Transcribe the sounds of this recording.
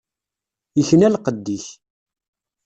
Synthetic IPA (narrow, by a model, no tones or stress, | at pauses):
əçnælqəd̪ːiç